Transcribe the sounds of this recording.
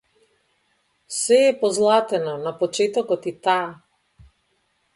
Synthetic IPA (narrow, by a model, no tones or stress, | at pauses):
sɛːpɔzlˠat̪ɛnɔnapɔt͡ʃɛt̪ɔkɔt̪it̪aː